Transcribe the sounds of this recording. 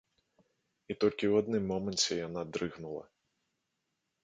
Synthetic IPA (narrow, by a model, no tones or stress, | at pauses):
it̪ɔlʲkʲiwad̪nɨmːɔmɐnt͡sʲɛjanad̪ɾɨɣnulˠɐ̰